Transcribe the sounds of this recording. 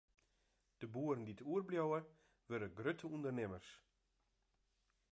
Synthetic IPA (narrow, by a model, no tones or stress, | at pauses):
d̥əbuːərən̩dituərbljɔwə | ʋørdəɡrøtʰəundərnɪmərs